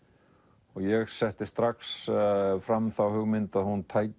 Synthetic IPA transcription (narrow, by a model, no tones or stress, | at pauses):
ɔɣjɛɣsɛht̪ɪst̪ɾaksfɾamθawhʏɣmɪnt̪aðhunt̪ʰaːj